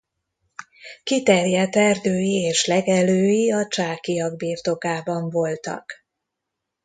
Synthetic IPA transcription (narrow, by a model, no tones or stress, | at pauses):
kit̪ɛrjɛt̪ɛrd̪øːjieːʃlɛɡɛløːjiɒt͡ʃaːkijɒɡ̚biːrt̪o̞kaːbɒɱvo̞lt̪ɒ̰k